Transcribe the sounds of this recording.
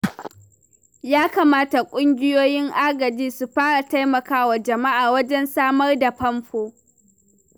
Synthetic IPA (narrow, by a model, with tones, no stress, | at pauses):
jaː˦kaː˨maː˦ta˨kʷʼʊ˦ŋɡʲɪ˦joː˦jɪ˦ŋʔa˦ɡɐ˨d͡ʒiː˦su˨ɸaː˦ɽa˨ta˦jmɐ˨kaː˦wa˨d͡ʒɐ˨ma˦ʔaː˨wɐ˦d͡ʒɛ˦nsaː˦mɐ˦rda˨ɸɐ˦mɸoː˦